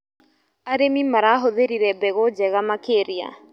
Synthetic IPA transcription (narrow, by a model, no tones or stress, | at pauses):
aɾemimaɾaɦoðeɾiɾɛbɛɣod͡ʒɛɣamakeɾia̰